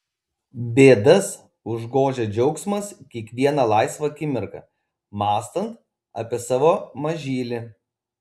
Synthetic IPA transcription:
bʲeːd̪ɐs | ʊʒɡoːʒʲeːd͡ʒʲɛʊksmɐskʲiɛkʋʲiɛnɑːlˠɑˑɪsʋɐkʲɪmʲɪɾkɐ̰ | mɑːst̪ɐnt̪ | ɐ̰pʲiɛsɑːʋoːmɐʒʲiːlʲɪ

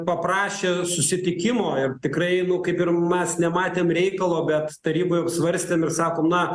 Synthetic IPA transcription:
pɐprɑːʃʲeːsʊsʲɪt̪ʲɪkʲɪmoːɪrt̪ʲɪkɾɐɪnʊkɐɪpɪrmʲɛsnʲɛmɑːt̪ʲeːmɾʲɛɪkɐlˠoːbʲɛt̪t̪ɐɾʲiːboːjɐpsʋɐɾʲsʲt̪ʲeːmɪrsɑːkoːmnɐ

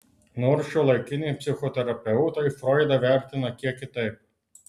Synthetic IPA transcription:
noɾʃt͡ʃɔlˠɐjkʲɪnʲepʲsʲɪxɔt̪ʲɛɾɐpʲɛwʊt̪ɐjfɾɔjd̪ɐʋʲɛɾʲt̪ʲɪnɐkʲiɛkʲɪt̪ɐɪp̚

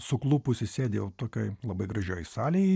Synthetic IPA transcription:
sʊklˠuːpʊsʲɪsʲeːd̪ʲejɛʊt̪oːkʲoɪlˠɐbɐɪɡɾɐʒʲoːjsɑːlʲeː

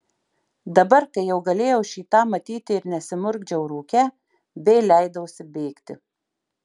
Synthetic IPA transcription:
d̪ɐbɐɾkɐɪjɛʊɡɐlʲeːjɛʊʃʲiːt̪ɑːmɐt̪ʲiːt̪ʲɪɪɾnʲɛsʲɪmʊɾʲɡd͡ʒʲɛʊɾuːkʲɛ | bʲɛɪlʲæɪd̪ɐʊsʲɪbʲɛɪkt̪ʲɪ

